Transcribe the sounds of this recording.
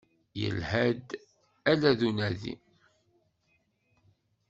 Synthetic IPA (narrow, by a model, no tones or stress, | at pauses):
jə̰lhæd̪ | ælæðunæðḭ